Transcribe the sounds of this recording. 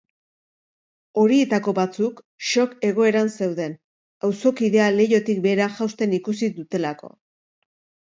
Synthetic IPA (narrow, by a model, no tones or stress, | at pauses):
o̞ɾie̞t̪ako̞βat͡suk | ʃo̞ke̞ɣ̞o̞e̞ɾanse̞wðe̞n | awso̞kiðe̞ale̞jo̞t̪ik̚be̞ːɾaʝawst̪e̞nikusiðut̪e̞lako̞̰